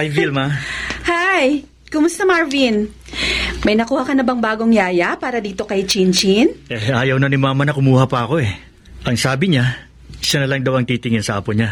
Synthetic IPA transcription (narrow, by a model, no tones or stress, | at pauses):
ajvilmahaj | kʊmʊst̪ɐmaɹvin | mɐjnɐkuːhɐkɐnɐbɐŋbaːɡo̞ŋjaːjɐpaːɾɐd̪iːt̪o̞kɐjt͡ʃint͡ʃinʔɛʔaːjɐwnɐnɪmaːmɐnɐkʊmuːhɐpɐʔɐko̞ɛ | ʔɐŋsaːbɪɲa | ʃɐnɐlɐŋd̪ɐwɐŋt̪iːt̪ɪŋɪnsɐʔaːpoɲa